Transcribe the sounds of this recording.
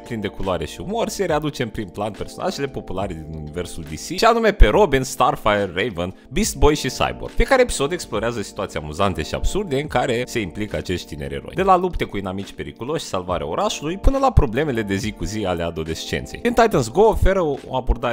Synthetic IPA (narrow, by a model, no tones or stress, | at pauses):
pɾind̪e̞kuloaɾe̞̰ʃiumo̞rse̞ɾe̞ad̪ut͡ʃe̞mpɾimplanpe̞rso̞̰na̰ʒe̞lepo̞pulaɾed̪inunive̞rsuld̪isiʃianume̞pe̞ɾo̞binst̪arfajerːejvən | bist̪bo̞jʃisa̰jbo̰rfiekaɾeːpi̥so̞d̪e̞ksplo̞ɾeazəsi̥t̪uat̪sija̰muzant̪eʃia̰b̥surd̪eɨŋkaɾe̞se̞implikəat͡ʃe̞st̪ʲt̪ineɾeɾo̞̰jd̪e̞lalupt̪e̞kuinamit͡ʃʲpe̞ɾḭkulo̞ʃi̥salvaɾea̰oɾaʃulujpɨnəlapɾo̞ble̞me̞le̞d̪e̞zikuziale̞ad̪o̞le̞st͡ʃe̞̰nt̪sejint̪ajt̪əns̬ɡoːfe̞ɾəo̰abo̞rd̪a